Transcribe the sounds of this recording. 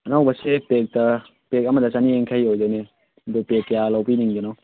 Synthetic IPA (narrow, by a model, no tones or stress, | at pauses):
ɐnawbɐsepek̚tɐ | pek̚ɐmɐdɐsanieŋkʰajojdajne | ɐdupek̚jalawpiniŋɡenɔ